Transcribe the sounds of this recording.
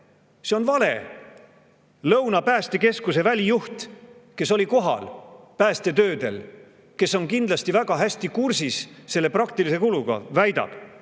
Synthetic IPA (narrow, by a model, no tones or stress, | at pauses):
se̞o̞nvɑle̞̰ | lɤwnɑpæːst̪e̞ke̞skuse̞vælʲijuht̪ke̞so̞lʲiko̞ɦɑ̰lpæːst̪e̞t̪øːd̪e̞̰l | ke̞so̞nkind̪̥lɑst̪ivæɡ̥ɑɦæsʲt̪ikursisːe̞lːe̞prɑk̚t̪ilise̞kuluɡ̥ɑ̰væjd̪̥ɑ̰b̥